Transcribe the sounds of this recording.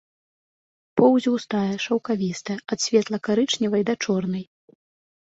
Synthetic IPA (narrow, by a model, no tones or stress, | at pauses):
pɔwzʲiwst̪ajɛʂɐwkavʲist̪ɐɐt̪sʲvʲɛt̪lˠɐkaɾɨt͡ʂnʲivɐjd̪ɐt͡ʂɔrnɐj